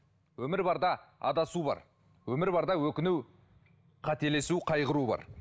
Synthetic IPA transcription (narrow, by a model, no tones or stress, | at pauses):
wɵmɪɾbɑɾd̪ɑɑ̰d̪ɑsubɑ̰ɾ | wɵmɪɾbɑɾd̪ɑwɵkʲɪnuw | qʰɑt̪e̞le̞suqʰɑjʁəɾubɑ̰ɾ